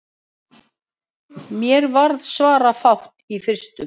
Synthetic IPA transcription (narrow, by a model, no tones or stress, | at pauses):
mjɛɾvaɾðsvaːɾafawht̪ifɪr̥st̪ʏm